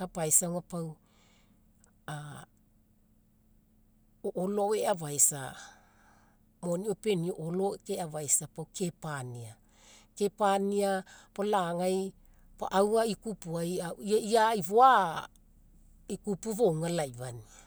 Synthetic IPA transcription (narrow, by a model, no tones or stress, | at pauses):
kapajsawŋapaw | a | oʔolooeavajsa̰ | moniope̞nioʔolokeavajsapawkʰe̞pania | kepaniapolaŋaj | pa̰ʔawaikupuajaiaiaiβoa | ikupuβowŋalajβani